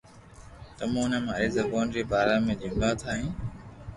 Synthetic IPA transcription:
t̪əmũːʊnəmãːezəbuːnd͡ʑiːbaːɾaːmẽːʄɪ̃ŋɡaːt̪ʰaːɦĩː

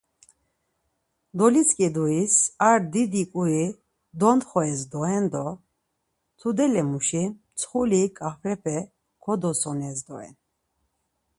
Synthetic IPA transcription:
d̪ɔliskʼid̪uisaɾd̪id̪ikʼui | d̪ɔnt̪χɔɛzd̪ɔɛnd̪ɔ | t̪ʰud̪ɛlɛmuʃi | t͡sʰχulikʼafɾɛpʰɛ | kʰɔd̪ɔsɔnɛzd̪ɔɛ̰n

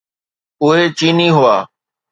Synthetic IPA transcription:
ʊɦeːt͡ʃiːniːɦʊaː

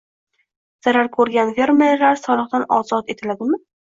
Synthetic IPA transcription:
z̥aɾaɾkʰɵɾɡʲanfe̞ɾmeɾlaɾsɒlˠɨqt̪anɒzɒt̪e̞t̪ʰɪlad̪ɪmɪ

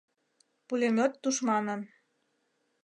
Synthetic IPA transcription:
pulʲemʲot̪ːuʃmɑnən

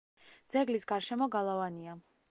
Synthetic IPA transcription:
d̪zɛɡlisɡaɾʃɛmɔɡalˠavania

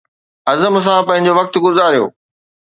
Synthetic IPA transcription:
ɐzəms̬ãpɐ̃ɦɪ̃ɲ̆d͡ʑoʋɐk̚t̪ɡʊzaːɾijo̰ː

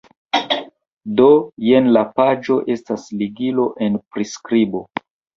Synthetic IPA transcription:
do̞jenlapad͡ʒo̞ʔe̞stasliɡilo̞ʔe̞npɾiskɾibo̞

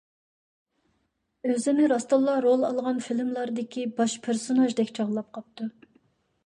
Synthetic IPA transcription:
øzɪnɪɾɑst̪ɑlˠːɑɾolˠɑlˠʁɑnfilmlˠɑɾd̪ɪkʲibɑʃpʰeɾsonɑʒd̪ɛkʲt͡ʃʰɑʁlˠɑp̚qʰɑp̚t̪u

